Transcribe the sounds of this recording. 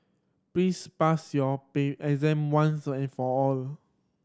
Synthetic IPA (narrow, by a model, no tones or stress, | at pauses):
plispasjɔpeɛzɛ̃mwãnsɛ̃nfɔɔl